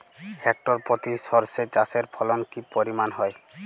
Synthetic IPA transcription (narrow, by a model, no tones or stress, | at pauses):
hek̚ʈɔɾpɔt̪isɔɾset͡ʃaseɾpʰɔlɔnkipɔɾimanɦɔj